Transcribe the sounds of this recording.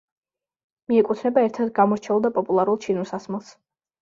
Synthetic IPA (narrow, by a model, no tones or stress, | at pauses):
miɛkʼut̪ʰnɛbaɛɾt̪ʰad̪ɡamɔɾt͡ʃʰɛulˠd̪apʼɔpʼulˠaɾulˠt͡ʃʰinusasmɛlˠs